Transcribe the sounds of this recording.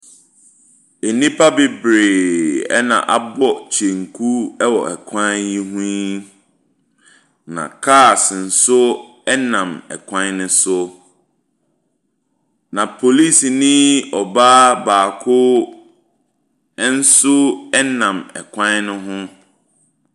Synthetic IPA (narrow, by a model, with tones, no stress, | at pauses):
e˨nĩ˦pʰa˦bɪ˦bɾe˨ɛ̰˦nã̰˨ʔa˨bɔ˦t͡ɕʰe˨ŋ˨kʰu˦ɛ˦wɔ˨ɛ˨kʰã˦nji˦ɦũ˦ | nã̰˨kʰaː˦˨sɪ˨n̩˨sʊ˦ | ɛ˦nã˨mɛ̰˨kʷʰã˦nnʊ̃˦sʊ˦ | nã˨pʰo˨li˦snĩ˦ɔ˨baː˦baː˨kʰʊ˦ | ɛ˦n̩˦sʊ˦ɛ˦nã˨mɛ̰˨kʷʰã˦nnʊ̃˦ɦʊ̃˦